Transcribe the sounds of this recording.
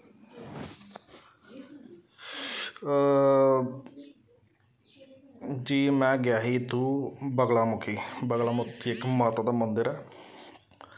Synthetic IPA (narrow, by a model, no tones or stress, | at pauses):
d͡ʒiːmɛ̃ːɡɪjaːɦiːt̪uːbəɡlaːmʊkʰiːbəɡlaːmʊt̪ʰːiɪkmət̪ːd̪aːmənd̪əɾɛː